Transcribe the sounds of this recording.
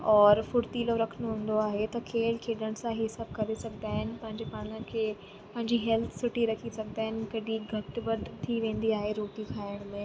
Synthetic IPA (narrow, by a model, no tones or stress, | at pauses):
ɔːɾfʊɽt̪iːloɾɐkʰəñoɦũːn̆d̪oaːɦet̪ɐkʰeːlkʰeːɖəɽ̃sãɦɪɦɪsaːb̚kɐɾesɐɡ̚d̪aːɦɪn̆pɐ̃ɦɪ̃ɲd͡ʑepaːɽ̃ə̃kʰeː | pɐ̃ɦɪ̃ɲd͡ʑiɦɛlt̪ʰsʊʈiɾɐkʰisɐɡ̚d̪aːɦɪnkɐɖiɡʱɐʈʋɐd̪t̪ʰːiʋẽːn̆d̪iaːɦeɾoːʈikʰaːɪəɽ̃mẽ